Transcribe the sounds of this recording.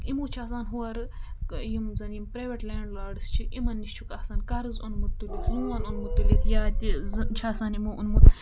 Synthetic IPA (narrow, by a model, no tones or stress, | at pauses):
imuːt͡ʃʰaːs̬aːnɦuwɐɾjimzɐnjimpɾajʋeʈleːɳɖlaːɖɨst͡ʃʰiʔimɐnːist͡ʃʰukɐsaːnkɐɾɨzonmut̪ːulit̪ʰjuʋɐnonmut̪ːulit̪ʰjaːtizt͡ʃʰaːsaːnimuʔunmut̪